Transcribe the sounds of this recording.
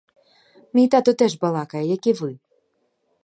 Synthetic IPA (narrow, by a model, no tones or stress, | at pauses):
mʲijt̪at̪ɔt̪ɛʐbɐlˠakɐjɛjakʲivɨ